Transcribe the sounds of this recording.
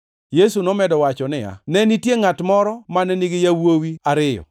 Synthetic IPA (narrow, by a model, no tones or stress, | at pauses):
jesunɔmɛdɔwat͡ʃɔnɪja̰nɛnitjeŋatmɔɾɔmanɛnɪɡɪjawowiaɾɪjɔ̰